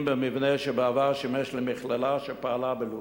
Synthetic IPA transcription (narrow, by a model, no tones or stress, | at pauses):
mbəmivnɛʃəbəavaʁʃimɛʃlimɪχlalaʃəpaalabəlu